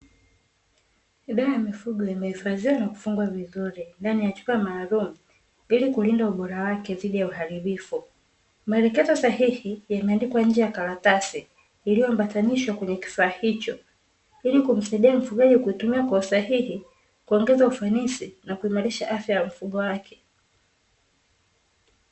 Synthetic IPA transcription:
iɗaɾajamifuɡɔimɛhifazianaku̥fuŋɡwavizuɾindanijat͡ʃu̥kamaːlumu | ilikulindauɓɔɾawakɛðiɗijauhaɾiɓifu | maɛlɛkɛzɔsahihijamɛandikwaɲ̩d͡ʒɛjakaɾatasiː | lijɔm̩pataniʃwakwɛɲɛki̥faːhit͡ʃɔ | ilikum̩saiɗiam̩fuɡaʄikuitumiakwɔusahihi | kuɔŋɡɛzaufanisinakuimaɾiʃaʔafjajam̩fuɠɔwakʰɛ̥

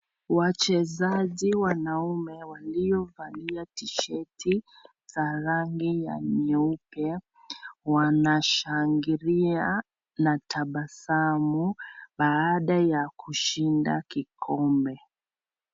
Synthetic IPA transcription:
wat͡ʃɛzaʄiwanaumɛwalijɔvaliatiʃɛtʰi | z̥aɾaŋɡija̰ɲɛupɛ | wanaʃaŋɡiɾia | natʰaɓasamuɓaːɗajakuʃinda̰kikʰɔmbɛ

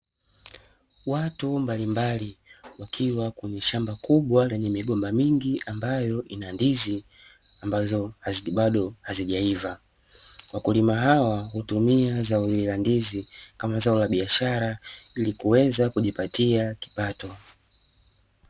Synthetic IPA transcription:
watumbalimbaliwakʰiwakuɲɛʃambakʰuɓwalɛɲɛmiɠɔmbamiŋɡiʔambajɔʔinandizi | ambazɔhaziɓaɗɔhaziʄaiva | wakulimaɦawahutumiazaililandizikamazaɔlaɓiaʃaɾailikuwɛzakuʄipatiaki̥patɔ

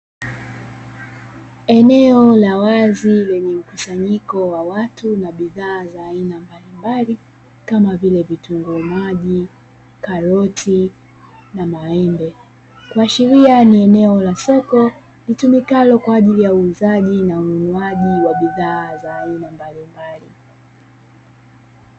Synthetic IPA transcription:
ɛnɛɔlawazilɛɲɛm̩kusaɲikɔwawatunaɓiðaːzaːinambalimbali | kamavilɛvituŋɡɔmaʄi | kaɾɔtʰi | namaɛmbɛ | kwaʃiɾianiɛnɛɔlasɔkɔ | litumikalɔkwaːʄilijauːzaʄinaununuaʄiwaɓiðaːzaːinambalimbali

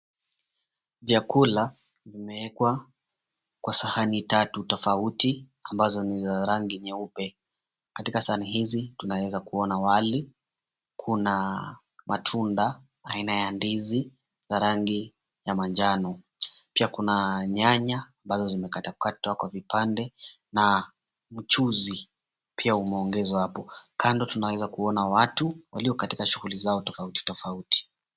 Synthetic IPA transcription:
vjakula | vimɛɛkwa | kwasahanitatutɔfauti | ambazɔnizaɾaŋɡiɲɛupɛ | katikasaaniɦizitunawɛzakuɔnawali | kʰuna | matʰundaː | inajandizi | zaɾaŋɡi | jamand͡ʒanɔ | piakunaɲaɲaːmbazɔzimɛkatakʰatwakwavipandɛna | m̩t͡ʃuzi | pʰiaumɛɔŋɡɛzahapɔkandɔtunawɛzakuɔnawatuwaliɔkatikaʃuɣulizaɔtɔfauti̥tɔfauti̥

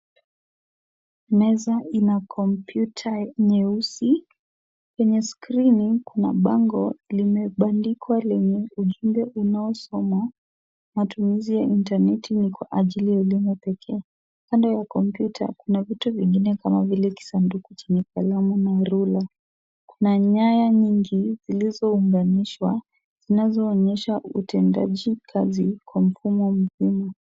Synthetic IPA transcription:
nɛzainakʰɔmpjutʰaɲɛusi | kɛɲɛskɾinikunaɓaŋɡɔlimɛɓandikwalɛɲɛuʄumbɛʔunaɔsɔma | matumizijaintanɛtinikwaʔaʄilijaɛlimupɛkʰɛa | kandɔjakɔmpjutʰa̰kunavituviŋɡinɛkamavilɛki̥sandukut͡ʃiɲifalamunaɾula | kunaɲajaɲiŋɡizilizɔuŋɡaniʃwa | z̥inazɔːɲɛʃautɛnda̰ʄikʰazikwam̩fumɔm̩hima

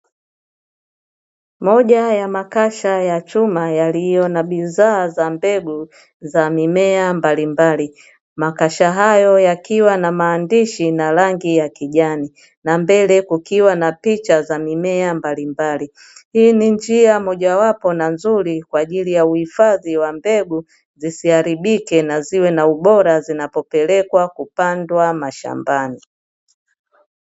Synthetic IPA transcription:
mɔʄajamakaʃajat͡ʃumajalijɔnaɓizaːzambɛɡu | zamimɛambalimbali | makaʃaɦajɔjakiwanamaːndiʃinalaŋɡijakiʄani | nambɛlɛkukiwanapit͡ʃazamimɛambalimbali | hiːnind͡ʒiamɔʄawapɔnanzuɾikwaːʄilijauhifaðiwambɛɡu | zisiaɾiɓikɛnaziwɛnauɓɔɾazinapɔpɛlɛkwakupandwamaʃa̰mbani

